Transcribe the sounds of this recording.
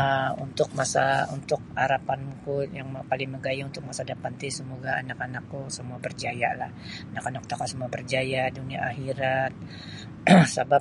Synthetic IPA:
əunt̪ʊk̚masa̰unt̪ʊk̚aɾapanmukujaŋmpalɪŋməɡajaunt̪ʊk̚masadapant̪isəmoɡaa̰nakanakːusəmuabərd͡ʒaja̰la̰h | anakanaku̥t̪akasəmuabərd͡ʒajaduniaahiɾat̪̚ | sabap̚

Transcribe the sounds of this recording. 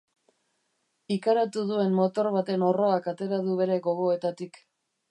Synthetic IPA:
ikaɾat̪uð̞ue̞nmo̞t̪o̞ɾβ̞at̪e̞no̞ro̞akat̪e̞ɾað̞uβ̞e̞ɾe̞ɣo̞ɣo̞e̞t̪at̪ik

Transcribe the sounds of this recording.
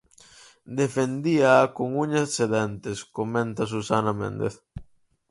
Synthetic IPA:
d̪efend̪iaːkoŋuɲasseðɛnt̪eskomẽnt̪as̬usanamḛ̃nd̪ḛθ

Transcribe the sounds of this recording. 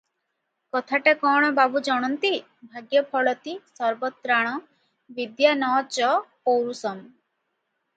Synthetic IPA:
kɔt̪ʰaʈekɔɽ̃ɔbabud͡ʒɔɽ̃ɔnt̪i | bʱaɡjɔpʰɔɭɔt̪isɔɾbɔt̪ɾaɽ̃ɔ | bid̪janɔt͡ʃɔpowɾusɔm

